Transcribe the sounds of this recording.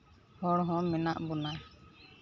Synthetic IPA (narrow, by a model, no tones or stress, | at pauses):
hɔɽɦɔ̃mɛnaʔbɔna